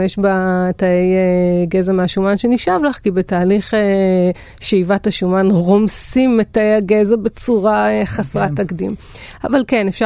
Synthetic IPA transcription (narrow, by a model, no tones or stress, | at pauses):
eʃbataejeɡezameaʃumanʃeniʃavlaχkibetaːliχe | ʃeivathaʃumanʁomsimetaejaɡezabe̞t͡suʁaeχasʁatakdim | avalkene̞fʃa